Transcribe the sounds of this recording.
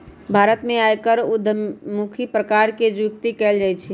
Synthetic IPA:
bʱaːɾət̪mẽaːjkəɾud̪ʱmukʰipɾəkaɾked͡ʒɪkt̪ikɛːld͡ʒajt͡ʃʰi

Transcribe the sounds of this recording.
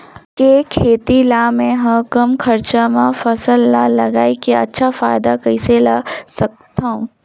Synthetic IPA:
kekʰeːt̪ilaːmẽɦɐ̃kɐmkʰɐɾt͡ʃamãfɐsəlːalɐɡaːikeɐ̰tːʃʰafaːjɪd̪akɐɪselasɐk̚t̪aũː

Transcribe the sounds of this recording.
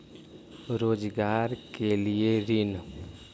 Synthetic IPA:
ɾod͡ʒɡaɾkelieɾin

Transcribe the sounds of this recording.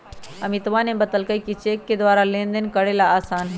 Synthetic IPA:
ɐmɪt̪ʋanẽbət̪əlkəikit͡ʃeːkːed̪ʋaːɾalẽːnd̪ənkəɽelaaːsaːnɦ

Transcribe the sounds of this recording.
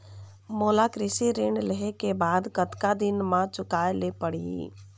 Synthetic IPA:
moːlakɾɪsiɾɪɳɖləɦekebaːd̪kət̪kad̪ɪnmãt͡ʃʊkaːelepəɽḭḭ

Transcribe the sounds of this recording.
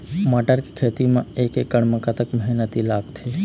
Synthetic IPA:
maʈəɾkikʰet̪imãekekːəɳməkat̪əkməɦnət̪ilaɡ̚t̪ʰe

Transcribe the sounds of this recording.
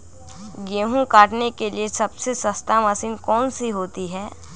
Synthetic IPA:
ɡeːɦũkaːʈnekeliesɐbsesɐst̪amɐsiːnkɔːnsiɦoːt̪iɦɛː

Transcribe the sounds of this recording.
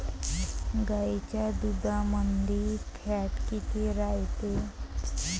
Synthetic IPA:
ɡaet͡ɕjad̪ud̪ʱamənd̪ʱifʰaʈkit̪iɾajt̪e

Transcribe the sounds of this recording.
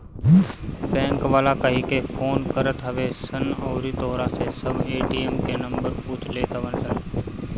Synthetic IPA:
bɛ̃ːŋkʋaːlakəɦikepʰoːnkəɾət̪ɦəʋesənɔːɾit̪oːɾasesəbʱeːʈiːemkenə̃mbəɾpuːt͡ʃʰleːt̪aʋənsən

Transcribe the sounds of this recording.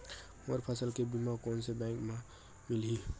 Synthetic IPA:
moɾpʰəsəlkebimakonsebɛ̃ŋkmã | milɦi

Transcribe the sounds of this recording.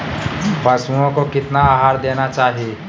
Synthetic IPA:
pɐsuõkokɪt̪naaːɦaːɾd̪eːnat͡ʃaːɦieː

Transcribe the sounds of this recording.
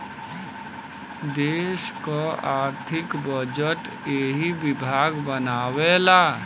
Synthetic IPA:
d̪eːʃkoaːɾt̪ʰɪkbəd͡ʒəʈ | eːɦibɪbʱaːɡbənaːwelaː

